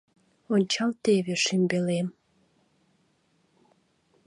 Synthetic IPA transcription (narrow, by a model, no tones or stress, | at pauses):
onʲt͡ɕɑlt̪eβeʃimbelem